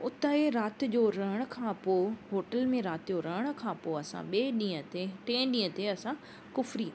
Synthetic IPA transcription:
ʊt̪aːeɾaːt̪ɪ̆d͡ʑoɾɐɦəɽ̃kʰãːpoɦoːʈəlmẽɾaːt̪ɪd͡ʑoɾɐɦəɽ̃ʊ̆kʰãpoːɐsã̰ɓeːɗĩːə̃t̪eʈẽːɗĩːə̃t̪eɐsã | kʊfɾiː

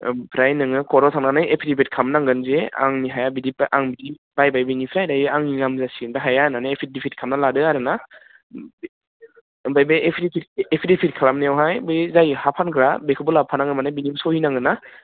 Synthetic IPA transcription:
pʰɾajnɯŋɯkʰɔɾɔsʰaŋnanajepʰidibet̚kʰamnaŋɡɯnzea̰ŋniɦajabidiʔaŋbidi | bajbajbɯŋipʰɾajdajaŋniŋamzasindaɦajananaepʰit̚dipʰit̚kʰamnaladɯaɾɯna | bajbeepʰɾipʰit̚epʰidipʰit̚kʰalamniawɦajbɯzajhapʰankʰɾabekʰɯbulab̚pʰanaŋɯmanajbinibsɔhinaŋɡɯna

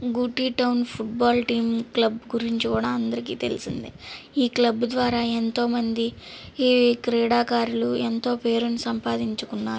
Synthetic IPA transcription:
ɡuʈːiːʈɐwnpʰuʈ̚baːlʈiːmklɐbɡuɾiɲt͡ʃikuːɽaːɐnd̪ɐɾikḭːt̪e̞̰lisḭnd̪iiːklɐbd̪ʋaːɾaːe̞nt̪o̞ːmɐnd̪i | kɾɛːɽaːkaːɾuluent̪o̞ːpe̞ːɾunisɐmpaːd̪iɲt͡ʃukunːaːɾu

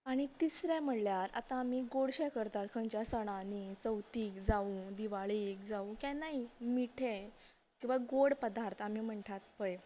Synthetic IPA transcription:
aɽ̃it̪isɾɛ̃m̤əɽljaɾa̰t̪ãːmiːɡoɽɕɛkəɾt̪at̪kʰə̃ɲt͡ɕjasəɽ̃ãnit͡səwt̪iːkd͡zaũd̪iʋaɭiekd͡zaũkãnaimiʈʰe | kĩw̃ʋaɡoɽpəd̪aɾt̪ʰamim̤əɳʈʰat̪̚pəj

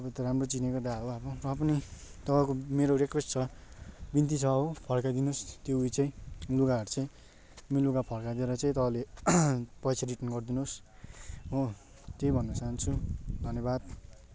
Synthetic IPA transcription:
ʌbʌt̪ʌɾamrot͡sinekod̪aɦoabʌrʌːpʌni | t̪ʌbakomeɾoɾekwesʈt͡sʰʌbint̪̬it͡sʰʌɦopʰʌrkad̪inost̪jouit͡sʌĩluɡaɦʌɾut͡sʌĩ | miluɡapʰʌɽkad̪ieɾʌt͡saĩt̪ʌbale | pʌjt͡sʰaɾiʈʌnɡʌrd̪inos | ɦo | t̪ejbʱʌnːʌt͡saɦant͡sʰud̪ʱʌnjʌbad̪̚

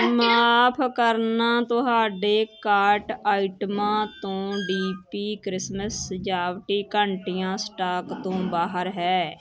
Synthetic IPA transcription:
maːpʰkəɾnãːt̪ʊɦaːɖeːkaːɾʈaːɪʈəmãːt̪õːɖiːpiːkɾɪsməsd͡ʒaːʋʈiːkəɳʈɪjãːsʈaːkt̪õːbaːɦəɾɦɛː

